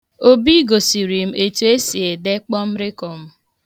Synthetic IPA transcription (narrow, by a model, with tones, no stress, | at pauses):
o˦bi˦ɡo˨si˨ɾi˨m̩˦e˨tu˨˦e˦si˨e˨de˦k͡pɔ˦m̩˦ɾɪ˦kɔ˨m̩˦